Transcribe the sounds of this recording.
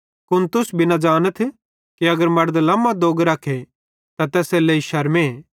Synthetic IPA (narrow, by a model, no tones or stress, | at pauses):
kʊnt̪ʊsbʱinad͡ʒaːnət̪ʰ | kiɐɡəɾmɐɾd̪lɐːmad̪oːɡɾaːkʰe | t̪at̪ɛːseleiʃɐɾme